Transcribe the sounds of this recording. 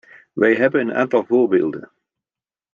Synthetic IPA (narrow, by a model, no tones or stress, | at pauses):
ʋɛjɦɛbənəna̰ːntɑlˠvoːɹbeːlˠdə̰n